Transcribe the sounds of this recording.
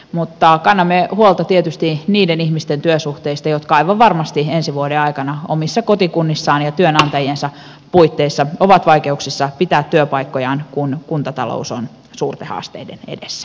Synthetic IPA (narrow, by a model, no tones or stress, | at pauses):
mut̪ːɑkɑnːɑmːehuolt̪ɑt̪iet̪yst̪iniːdenihmist̪ent̪yøsuht̪eist̪ɑjot̪kɑɑiʋɑʋʋɑrmɑst̪iensiʋuodeɑikɑnɑomisːɑkot̪ikunːisːɑːnjɑt̪yønɑnt̪ɑjensɑ | puit̪ːeisːɑoʋɑt̪ʋɑikeuksisːɑpit̪æːt̪ːyøpɑikːojɑːnkunkunt̪ɑt̪ɑlo̰uson | suːrt̪ehɑ̰ːst̪ḛidḛnḛdesːæ̥